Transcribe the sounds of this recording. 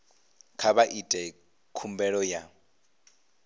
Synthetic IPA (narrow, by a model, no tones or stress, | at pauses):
kʰaβaʔitʼɛ | kʰumbɛɺɔja